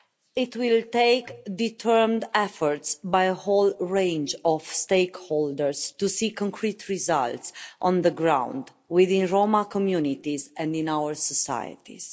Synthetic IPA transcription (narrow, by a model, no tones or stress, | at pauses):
it̪wɪlt̪eɪkd̪it̪ʰɜɹmd̪ɛfɔɹtsbajəholɹẽnd͡ʒɔv̥steɪkhold̪əɹst̪usikɔ̃ŋkʰɾit̪ɹiza̰lt̪sʔɔ̃nðəɡɹãw̃nd̪ | wiðĩnɹomakɔmjunit̪izɛ̃ndĩnawəɹsɔsa̰jə̰t̪ḭz̥